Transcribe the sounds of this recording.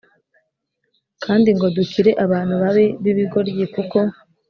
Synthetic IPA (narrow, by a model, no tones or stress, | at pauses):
kʰaːndiŋɡo̞duciɾe̞ʔaβaːn̥huβaβe̞βiβiɡo̞ɾɟiːkuko̞